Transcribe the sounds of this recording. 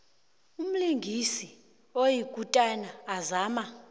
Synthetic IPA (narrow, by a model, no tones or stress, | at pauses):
um̩liŋɡʱisi | ojiɡ̥ʱutʼanaːzaːma